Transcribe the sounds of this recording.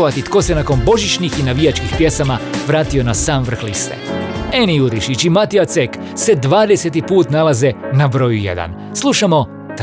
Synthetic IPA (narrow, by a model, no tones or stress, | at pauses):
ʋat̪it̪ko̞ːsenako̞nbo̞ʒit͡ʃnixinaʋijat͡ʃkixpje̞samaʋɾaːt̪io̞nasaːmʋr̩xlist̪ḛenijuɾiʃit͡ʃimat̪iat̪sek | se̞d̪ʋaːd̪e̞set̪ipuːt̪nalaze̞nabɾo̞ːjujḛd̪a̰n | slˠuʃamo̞ | t̪